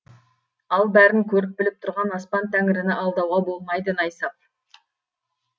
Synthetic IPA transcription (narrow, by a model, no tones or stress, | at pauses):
ɑlˠbæɾɪŋkʲʰɵɾɪp̚bɪlɪp̚t̪ʰʊɾʁɑnɑspɑnt̪ʰæŋɪɾɪnɪɑlˠd̪ɑwʁɑbo̞lˠmɑjd̪ənɑjsɑp̚